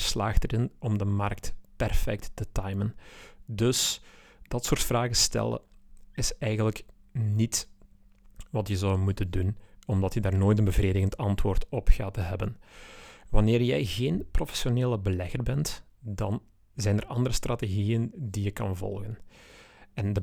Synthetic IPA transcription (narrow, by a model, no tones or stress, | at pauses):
sla̰ːxtəɾɪnɔmdəmɑrk̚tpɛrfɛ̰k̚tːətɑjməndɵs | d̥ɑtsoːrtfraːɣəstɛ̰lˠə̰ɪsɛjɣənləknit | ʋɑtjəzɔwmutəndunɔmdɑtjədaːrnoːjtənbəvreːdəɣəntɑntwoːrtɔpxaːtəɦɛbən | ʋɑnɪːrjɛjɣeːnprofɛ̥sjoneːləbəlɛɣərbɛnt | dɑn | zɛjnərʔɑndəɾəstrateɣiːjəndijəkɑ̰nvɔ̰lˠɣən | ɛndə